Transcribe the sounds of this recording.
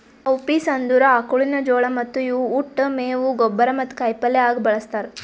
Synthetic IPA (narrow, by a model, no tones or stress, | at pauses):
ɐwpiːsɐnd̪uɾɐaːkuɭinɐd͡ʒoːɭɐmɐt̪ːujuːʈːɐmeːʋuɡɔbːɐɾɐmɐt̪ːu̥kɐjpɐlːɛaːɡbɐɭɐst̪aːɾ